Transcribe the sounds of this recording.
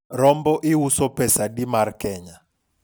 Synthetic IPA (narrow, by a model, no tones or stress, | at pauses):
ɾɔmbɔʔiwusɔpʰɛsaɗimarkɛːɲa